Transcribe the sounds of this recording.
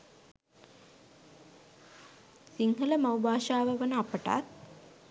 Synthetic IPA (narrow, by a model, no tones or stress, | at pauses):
siŋɦələmɐwbaːʃaːʋəʋənəapəʈa̰t̪̚